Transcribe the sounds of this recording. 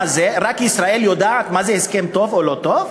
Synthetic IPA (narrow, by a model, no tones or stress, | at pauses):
zeʁakisʁaeljod̪aat̪mazeheskemt̪o̞volot̪ov